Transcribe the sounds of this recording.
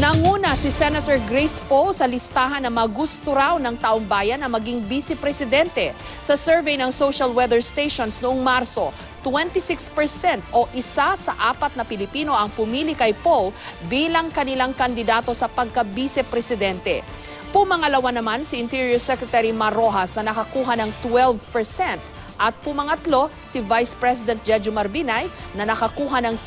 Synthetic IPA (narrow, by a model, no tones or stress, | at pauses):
nɐŋuːnɐsɪsɛnɐt̪ɛɹɡɾɛjspowsɐlɪst̪aːɦɐnːɐmɐɡust̪oɾawnɐŋt̪aːʔoŋbaːjɐnːɐmɐɡiŋbisɛpɾɛsɪd̪ɛnt̪ɛ | sɐsɛɹvɛjnɐŋsowʃɐlwɛd̪ɛɹst̪ejʃonsnʊʔoŋmaɾso̞ | t̪wɛnt̪isɪkspɛɹsɛnt̪o̞ʔɪsasɐʔaːpɐt̪̚nɐpɪlɪpiːno̞ʔɐŋpʊmiːlɪkɐjpowlbiːlɐŋkɐnɪlaŋkɐnd̪ɪd̪aːt̪o̞sɐpɐɡ̚kɐbisɛpɾɛsɪd̪ɛnt̪ɛ̰ | pʊmɐŋɐlɐwanɐmansɪʔɪnt̪iɹjɐɹsɛkɹɛt̪ɛɾimɐɾo̞ɦɐsnɐnɐkɐkuːɦɐnɐŋt̪wɛlvpɛɹsɛnt̪ | ʔɐt̪̚pʊmɐŋɐt̪lo̞ | sɪvajspɹɛsɪd̪ɛnt̪̚d͡ʒɛd͡ʒomɐɾbinajnɐnɐkɐkuːɦɐnɐŋ